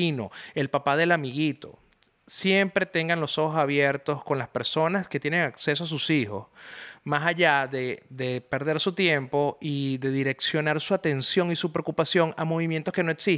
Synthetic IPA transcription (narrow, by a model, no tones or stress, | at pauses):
ino̞̰e̞lpapaðe̞lamiɣit̪o̞̰ | sje̞mpɾe̞t̪e̞ŋɡanlo̞so̞xosaβje̞ɾt̪o̞sko̞nlaspe̞ɾso̞naske̞t̪je̞ne̞ŋakse̞s̬oas̬usixo̞̰smasaʝaðe̞ðe̞pe̞ɾð̞e̞ɾsut̪je̞mpo̞iðe̞ðiɾe̞ksjo̞naɾsuat̪e̞nsjo̞ŋisupɾeokupasjo̞ŋamo̞β̞imjent̪oske̞no̞e̞ksi